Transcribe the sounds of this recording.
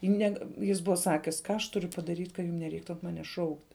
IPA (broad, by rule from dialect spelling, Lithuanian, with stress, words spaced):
ɪ ˈnʲæːɡɐ ˈjɪs ˈbʊʋɐ ˈsɑːkʲɪs ˈkɑː ɐʃ ˈtʊrʲʊ pɐdɐˈrʲiːtʲ kɐ ˈjʊm nʲɛˈrʲɛɪktʊ ɐn ˈmɑːnʲɛs ˈʃɐʊktʲ